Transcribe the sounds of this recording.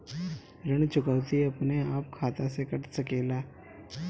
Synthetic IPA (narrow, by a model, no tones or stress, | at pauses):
ɾɐɽ̃t͡ʃʊkaʊt̪iɐpneaːp̚kʰaːt̪asekɐʈsɐkeːlaː